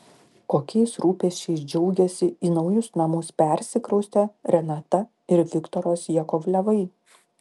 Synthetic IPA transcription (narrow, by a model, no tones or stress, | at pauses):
koːkʲɛɪsɾuːpʲɛʃʲt͡ʃʲɛɪsd͡ʒʲɛʊɡʲɛsʲɪiːnɒʊjʊsnɐmʊspʲɛˑɾʲsʲɪkɾɐʊsʲt̪ʲɛɾʲɛnɑt̪ɐ | ɪɾʋʲɪkt̪ɔɾoːsjɛkɔʋlʲɛʋɐɪ